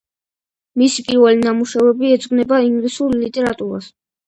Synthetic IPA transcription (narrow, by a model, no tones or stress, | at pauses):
misipʼiɾvɛlinamuʃavɛbiɛd̪zʼɡnɛbaiŋɡlisuɾlit̪ʼɛɾat̪ʼuɾa̰s